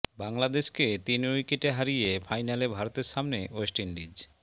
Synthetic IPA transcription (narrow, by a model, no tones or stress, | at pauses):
baŋlad̪eʃket̪inujkeʈeɦaɾijefʰajnalebʱaɾot̪eɾʃamneosʈinɖid͡ʑ